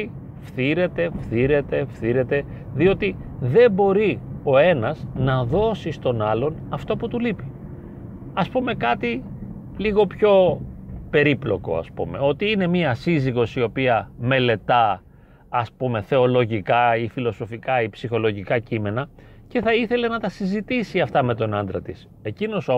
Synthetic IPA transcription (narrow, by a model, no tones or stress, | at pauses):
fθiɾe̞t̪e̞fθiɾe̞t̪e̞fθiɾe̞t̪e̞ | ðio̞t̪i | ðe̞bo̞ɾio̞e̞nɐznɐðo̞sist̪o̞nɐlo̞n | ɐft̪oput̪ulipi̥ | ɐspume̞kɐt̪i | liɣo̞pço̞pe̞ɾiplo̞ko̞̰ɐ̰spṵme̞̰o̞t̪iine̞miɐsiziɣo̞sio̞piɐme̞le̞t̪ɐː | spume̞θe̞o̞lo̞ʝikɐifilo̞so̞fikɐipsixo̞lo̞ʝikɐcime̞nɐ | ce̞θɐiθe̞le̞nɐt̪ɐsizit̪isiɐft̪ɐme̞t̪o̞nɐnd̪ɾɐt̪is | e̞cino̞so